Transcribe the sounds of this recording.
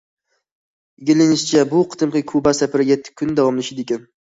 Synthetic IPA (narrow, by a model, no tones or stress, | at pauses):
ɪɡʲɪlɪnɪʃt͡ʃʰabʊqʰɨ̥t̪ʰɨmqɨkʰʊbasapɪɾɪjʲɛt̪ʰːɪ̥kʲʰʊnd̪awɒmlɪʃɪd̪ekʲan